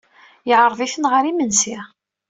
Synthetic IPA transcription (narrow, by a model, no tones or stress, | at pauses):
jəʕɾˤðˤiθənʁəɾimənsi